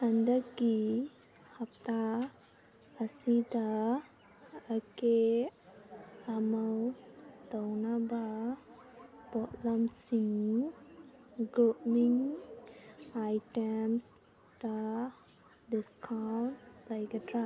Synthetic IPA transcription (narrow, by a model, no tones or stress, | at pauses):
handək̚ɡi | hap̚ta | sida | əke | ɐmawtawnaba | b̥ɔtlamsiŋ | ɡɾupmiŋ | ajtems | d̥a | diskʰawnlajɡatɾa